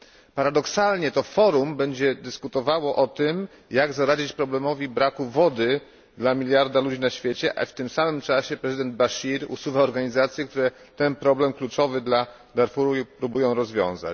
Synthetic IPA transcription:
paɾad̪ɔksalɲɛt̪ɔfɔɾumbɛɲd͡ʑɛd̪ɘskut̪ɔvawɔʔɔt̪ɘm | jaɡzaɾad͡ʑit͡ɕpɾɔblɛmɔvʲibɾakuvɔd̪ɘ | d̪lamʲilʲjaɾd̪alud͡ʑinaɕfʲjet͡ɕɛʔa̰ft̪ɘmsamɘmt͡ʂaɕɛpɾɛzɨd̪ɛnd̪̚baɕiɾṵsuvaɔɾɡaɲizat̪sʲjɛk̚t̪uɾɛ | t̪ɛnpɾɔblɛmklut͡ʂɔvɘd̪la | d̪aɾfuɾuipɾubujɔ̃w̃ɾɔzvʲjɔ̰̃w̃za̰t͡ɕ

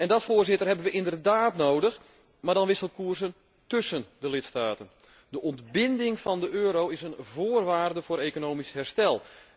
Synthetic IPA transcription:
ɛndɔtfoːrzɪtərɦɛbənʋəʔɪndərdaːtnowdəx | maːrdɑnʋɪsəlˠkuːrzən | tøsəndəlɪtstaːtən | dəʔɔntbɪndɪŋfɑndəʔøːɾowɪsənvoːrʋaːrdəvʊːɾeːkonoːmishɛrstɛlˠ

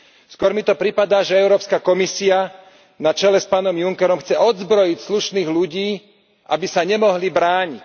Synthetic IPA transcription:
skʊɔɾmit̪ɔpɾipad̪aːʒɛɛʊɾɔːpskakɔmisia | nat͡ʃɛlɛspaːnɔmjuŋkɛɾɔmxt͡sɛɔd̪zbɾɔjicsluʃniːɣluɟiː | ʔabisaɲɛmɔɦlibɾaːɲic

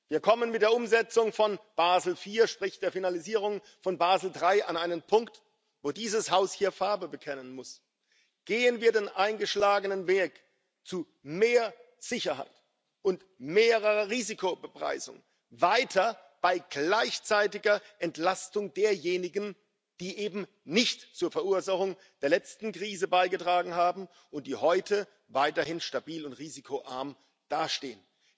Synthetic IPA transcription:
viːɐkʰɔmənmɪt̚d̥eːɐʊmzɛt͡sʊŋfɔnb̥aːzl̩fiːɐʃpʁ̥ɪçd̥eːɐfinaliziːʁ̞ʊŋ | fɔnbaːzl̩dʁaɪʔanʔaɪnənpʰʊŋkt | voːdiːzəshaʊshiːɐfaɐbəbəkʰɛnənmʊs | ɡ̥eːənviːɐdeːnʔaɪnɡəʃlaːɡənənveːk | t͡su | meːɐ | z̥ɪçɐha̰ɪt | ʔʊnt | meːʁəʁɐʁiːzikʰobəpʁ̥a̰ɪzʊ̰ŋ | vaɪtʰɐb̥aɪɡ̥laɪçt͡saɪtɪɡɐʔɛntlastʊŋdeːɐjeːnɪɡn̩ | d̥iːʔeːbm̩ | nɪçtt͡suːɐfɛɐʔuːɐzaχʊŋ | d̥eːɐlɛt͡stn̩kʁ̥iːzəbaɪɡətʁ̥aːɡŋ̩haːbm̩ | ʊnt̚d̥iːhɔʏtʰə | vaɪtɐhɪnʃtabiːlʊntʁiːzikʰoʔa̰ɐm | d̥aːɐʃtḛːən

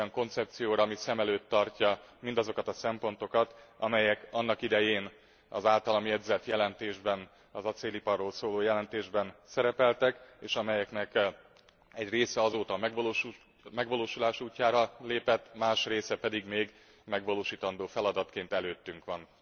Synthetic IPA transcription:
jɒŋko̞nt̪sɛp̚t̪sijoːɾɒmisɛmɛløːt̪ːɒrcɒmind̪ɒzo̞kɒt̪ɒsɛmpo̞nt̪o̞kɒt̪ɒmɛjɛkɒnːɒkid̪ɛjeːn | ɒ̰zaːlt̪ɒlɒmiɛd̪zɛt̪jɛlɛnt̪eːʒbɛn | ɒzɒt̪seːlipɒrːoːlsoːloːjɛlɛnt̪eːʒbɛnsɛɾɛpɛlt̪ɛkeːʃɒmɛjɛknɛk | ɛɟreːsɛɒzoːt̪ɒmɛɡʋlː | mɛɡʋɒloːʃulaːʃuːcːaːɾɒleːpɛt̪ːmaːʃreːsɛpɛd̪iɡmeːɡ | mɛɡʋɒloːʃiːt̪ɒnd̪oːfɛlɒd̪ɒt̪keːnt̪ɛløːt̪ːyŋkʋɒn

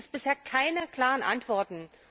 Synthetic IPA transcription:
sb̥ɪsheːɐkʰaɪnəkl̥aːʁənʔa̰ntv̥ɔɐtn̩

